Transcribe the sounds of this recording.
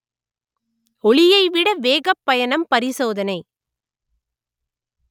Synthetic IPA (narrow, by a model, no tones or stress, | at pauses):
ɔɭɪjɐɪʋɪɽɐʋeːɣɐpːɐjɐɳɐmpɐɾɪsoːðɐnɐɪ